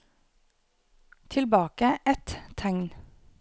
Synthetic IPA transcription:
t̪ʰɪlbɑːkəɛt̪ʰæŋn

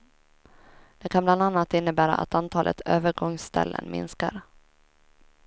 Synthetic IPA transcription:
d̪̥ɛkʰanbland̪anːat̪ɪnːəbæːɾa̰ʔa̰t̪ant̪ʰɑːlʔət̪øːvəɾɡɔŋst̪ɛ̰lːə̰nmɪ̰nskaɾ

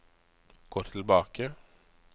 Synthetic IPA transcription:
ɡ̥oːʈʰɪlbɑːkə

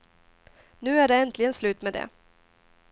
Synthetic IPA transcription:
nʉ̟ːæɖɛɛnt̪ʰlɪɡənslʉ̟ːt̪med̪ɛ̰

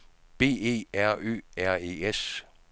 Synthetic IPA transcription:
b̥e̝̰ːe̝̰ːæɐ̰ø̰ːæɐ̰e̝ːes

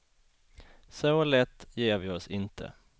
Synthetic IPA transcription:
sɔlɛt̪ːjeːɾvɪɔsɪnt̪ʰə̰

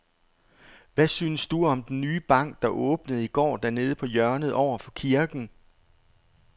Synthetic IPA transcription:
ʋæsyːnəsd̥uɒ̽md̥enːyːb̥ɑ̈ŋ̰ɡ̥̚d̥ɑ̈ʔɔ̽ːb̥nəð̩ˠiɡ̥ɒ̰ːd̥æɐne̝ːð̞ˠəpʰɒ̽jɶɐnəð̞̩ˠʔɒʊ̰ɐfɒ̽kʰiɐɡ̥n̩

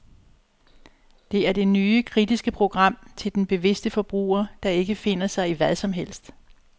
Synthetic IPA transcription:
d̥e̝æɐd̥e̝nyːəkʰʁid̥isɡ̥əpʰʁo̝ɡ̥ʁɑ̈m̰t͡sʰe̝ld̥enb̥e̝ʋe̝sd̥əfɒ̽b̥ʁṵːɐd̥ɑ̈e̝ɡ̥əfe̝n̰ɐsɑ̈ɪiʋæðˠsɒ̽mɦel̰sd̥

